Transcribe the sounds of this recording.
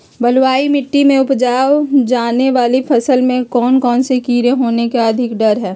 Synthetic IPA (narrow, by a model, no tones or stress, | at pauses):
bɐlwaːimɪʈːimẽʊpd͡ʒaːwd͡ʒaːneʋaːlipʰɐsəlmẽkɔːnkɔːnsekiːɾeɦoːnekeɐd̪ʱɪkɖɐɾɦɛː